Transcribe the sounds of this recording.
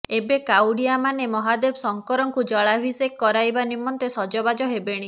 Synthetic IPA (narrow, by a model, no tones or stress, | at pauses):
ebekawɽiamanemɔɦad̪ebsɔŋkɔɾɔŋkud͡ʒɔɭabʱisekkːɔɾajbanimɔnt̪esɔd͡ʒɔbad͡ʒɔɦebeɽ̃i